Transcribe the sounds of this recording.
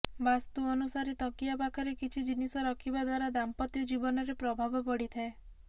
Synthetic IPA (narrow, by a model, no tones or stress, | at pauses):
bast̪uɔnusaɾit̪ɔkijapakʰaɾekit͡ʃʰid͡ʒinisɔɾɔkʰibad̪waɾad̪ampɔt̪jɔd͡ʒibɔnɔɾepɾɔbʱabɔpɔɽit̪ʰae